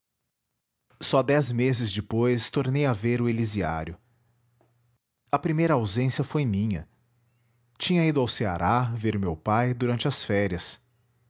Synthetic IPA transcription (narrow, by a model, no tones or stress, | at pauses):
sɔd̪ɛzmezɪzd͡ʒɪpojst̪oɾnejɐveɾʊelizia̰ɾjʊ | ɐpɾimejɾɐawzẽsiɐfojmĩɲɐ̰ | t͡ʃĩɲɐid̪ʊawsea̰ɾʔaveɾʊmewpajd̪uɾɐ̃nt͡ʃɪɐsfɛɾiɐs